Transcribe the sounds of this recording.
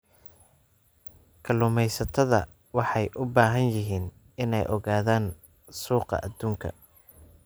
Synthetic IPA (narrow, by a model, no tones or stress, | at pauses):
kʰɐlʊmɛjsɐt̪ʰɐðɐ̰ | wɑħɑjʔʊbaːɦɐnjɪɦiːn | ɪnɛ̰jʔɔɣaːðaːn | suːqɑ̰ʔɐd̪uːŋkʰɐ̰